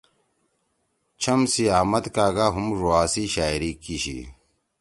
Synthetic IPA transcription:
t͡ɕʰɐmsiaːmɐt̪kaːɡaːɦumɾuaːsiɕaːiɾikiɕḭ

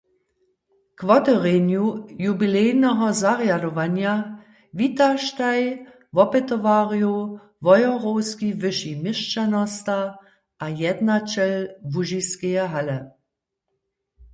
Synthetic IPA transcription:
kvɔtɔʁenjujubilɛːnɔɦɔzaʁjadɔvanja | vitaʃtaj | vɔpɛtɔvaːʁiju | vɔjɔʁowskivɪʃimɪʃt͡ʃanɔsta | ʔajɛdnat͡ʃɛlvuʒiskɛjɛɦalɛ

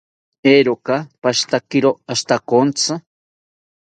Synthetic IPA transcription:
eɾokapaʃt̪akiɾoaʃt̪akont͡sʰɨ

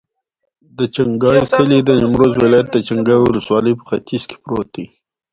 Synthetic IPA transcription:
d̪ət͡ʃaŋɡɑjxəlid̪əɪmɾozwɪlɑjat̪̚d̪ət͡ʃaŋɡɑjwʊləswɑləjpə̥xat̪izke̥pɾot̪i

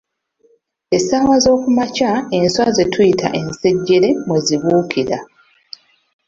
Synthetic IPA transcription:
esaːβazo̞ːkumacaenswaze̞tʰujitʰa̰ʔe̞nse̞ɟːe̞ɾe̞mweziβuːkʰiɾa

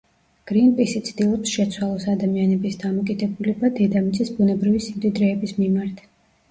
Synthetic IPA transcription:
ɡ̥ɾinpʼisit̪sʰd̪ilˠɔpsʃɛt̪sʰwalˠɔsad̪amianɛbisd̪amɔkʼid̪ɛbulɛbad̪ɛd̪amit̪sʼisbunɛbɾivisimd̪id̪ɾɛːbismimaɾt̪ʰ

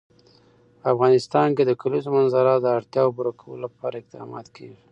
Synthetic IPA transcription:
afɣɑnɪst̪ɑnked̪əkalizomanzaɾad̪əaɽt̪jɑwobuɾakawə̰lolapɑɾaɪq̚d̪ɑ̰mɑ̰t̪kawi

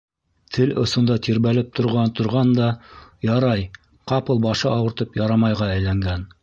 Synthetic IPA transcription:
t̪ʰɘlŏsŏnd̪ɑt̪ʰiɾβælɘp̚t̪ʰŏɾʁɑnt̪ŏɾʁɑnd̪ɑjɑɾɑj | qɑpɤlˠbɑʃɤɑwɤ̆ɾt̪ɤpjɑɾɑmɑjʁɑæjlæŋɡæn

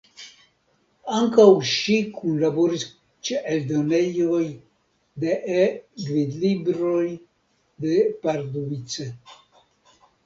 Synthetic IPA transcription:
aŋkawʃikʰunlaboɾis | t͡ʃeʔeld̪onejoj | d̪eʔɡvid̪libɾoj | d̪epaɾd̪ovit͡se

